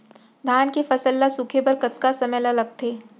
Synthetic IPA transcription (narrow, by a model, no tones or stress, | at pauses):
d̪ʱaːnkefɐsəlːasʊkʰepɐɾkɐt̪̚kasɐmɛlalɐɡ̚t̪ʰeː